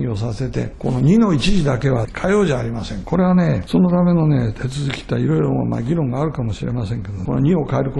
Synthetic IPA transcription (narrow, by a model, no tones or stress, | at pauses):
iosase̞t̪e̞̰ko̞noɲ̟ino̞it͡ɕiʑid̪ake̞βakʰajoːʑaːɾʲimasẽ̞ŋko̞ɾe̞βane̞so̞no̞t̪ame̞no̞ne̞t̪ʰe̞t͡sɨzɨkʲi̥t̪aiɾo̞iɾoma̰ɡʲiɾõ̞ŋɡaːɾɯ̟kamo̞ɕiɾe̞̰masẽ̞ŋke̞d̪okonoɲ̟io̞kaeɾɯ̟ko